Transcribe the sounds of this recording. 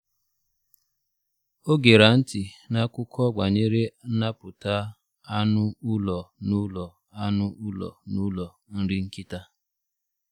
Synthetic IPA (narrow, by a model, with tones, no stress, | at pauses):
o˦ɡe˨ɾa˨n̩˦tɪ˨na˦kʊ˦kʰɔ˦ɡ͡ba˨ɲe˦ɾe˦n̩˦na˦pʊ˨ta˦ | a˦nʊ˦u˦lɔ˨nʊ˦lɔ˨ | a˦nʊ˦u˦lɔ̰˨nu˦lɔ˨ | n̩˦ɾɪ˦ŋ̩˦ki˦ta˦